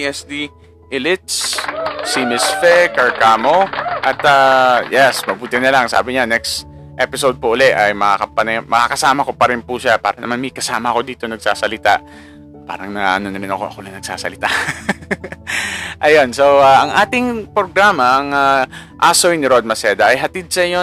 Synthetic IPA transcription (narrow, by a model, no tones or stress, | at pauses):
ʔɛsd̪i | ʔɪlɪt̪ssimɪsfɛkɐɹkaːmoʔɐt̪ajɛsmɐbuːt̪ɪnɐlɐŋsa̰ːbɪɲanɛkst̪ | ʔɛpɪsowd̪̚poʔʊlɛʔɐjmɐakɐpɐnɐmɐkakɐsaːmɐko̞pɐɾɪnpuʃapa̰ːɾɐnɐmanmɐɪkɐsaːmɐɐko̞d̪iːt̪o̞nɐɡ̚saːsɐlɪt̪aʔ | pa̰ːɾɐŋnɐʔɐ̰no̞nɐɾɪnɐko̞̰ʔɐ̰kolɐŋnɐɡ̥̚sa̰ːsɐ̰lɪt̪aʔ | ʔɐjo̞nsowaʔɐŋʔaːt̪ɪŋpɾoɡɾaːmɐʔɐŋa | ʔaːsojnɪɾod̪̚mɐsɛːd̪ɐʔɐjɦɐt̪ɪd̪̚sɐjo